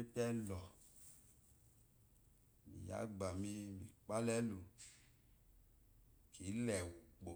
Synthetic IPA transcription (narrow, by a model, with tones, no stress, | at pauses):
e˦pɛ˦lɔ˨ | mḭ˨ja̰˨˦ɡ͡ba˨mi˧˦mi˨k͡pa˦lɛ˦lu˧ | ki˨˦lɛ˨u˨k͡po˨